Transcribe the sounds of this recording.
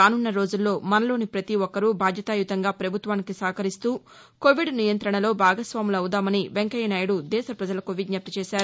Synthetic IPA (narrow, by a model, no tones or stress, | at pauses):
aːnunːɐɾoːd͡ʒulːo̞ːmɐnɐlo̞ːnipɾɐt̪iʋɔkːɐɾubʱaːd̪jɐt̪aːjut̪ɐŋɡaːpɾɐbʱut̪ʋaːnikisaːkɐɾist̪uː | koʋiɖnijɐnt̪ɾɐɳɐlo̞ːbʱaːɡɐsʋaːmilɐwud̪aːmɐniʋeŋkɐjɐnɐjɐɽud̪ɛːʃɐpɾɐd͡ʒɐlɐkoʋiɖɲɐp̚t̪ɐt͡ʃɛːʃaːɾu